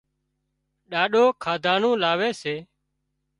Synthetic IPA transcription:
ɗaːɗoːkʰaːd̪ʱaːnũːlaːʋeːseː

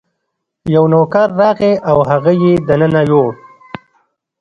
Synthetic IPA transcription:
jawnokaɾːɑːɣeʔawɦaɣajed̪ənənajoɽ

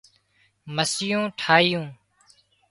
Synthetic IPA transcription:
məsɪjõːʈʰaːɪjũː

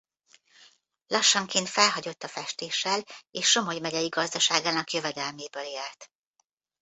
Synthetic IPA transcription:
lɒʃːɒŋkeːnt̪fɛlɦɒɟo̞t̪ːɒfɛʃt̪eːʃːɛleːʃːo̞mojmɛɟɛjiɡɒzd̪ɒʃaːɡaːnɒkjø̞vɛd̪ɛlmeːbøːleːlt̪

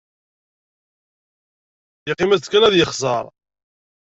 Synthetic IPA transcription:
jiqːɪmæt͡sːkænæðjəχzˤɑ̰ɾˤ

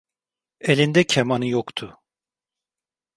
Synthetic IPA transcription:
elʲind̪ɛcʰemanɯjokt̪ʰʊ

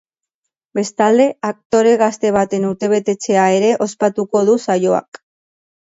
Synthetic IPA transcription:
be̞st̪ald̪e̞ak̚t̪o̞ɾe̞ɣast̪e̞β̞at̪e̞nuɾt̪e̞β̞e̞t̪e̞t͡se̞ae̞ɾe̞ʔo̞spat̪uko̞ðusajo̞a̰k

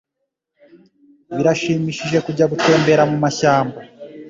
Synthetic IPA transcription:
βiɾaʃiːmiʃiʒe̞kuɟaɡute̞ːmbe̞ɾamumaçaːmba

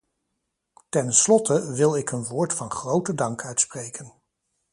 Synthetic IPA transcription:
tɛnslɔtʰəʋɪlˠɪkənʋʊːɹtfɑnχrowtədɑŋkʰœɥtsprejkən

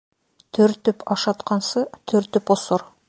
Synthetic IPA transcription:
t̪ʰɵɾt̪ːʏpɑʃɑt̪qɑnsət̪ʰɵɾt̪ːʏposoɾ

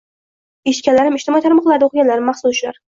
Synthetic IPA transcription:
eʃkʲalaɾɪmɪʃt̪ɪmɒit̪ʰaɾmɒqlˠaɾd̪oqɨɡʲanlaɾɪmːaχsʊʃla̰ɾ

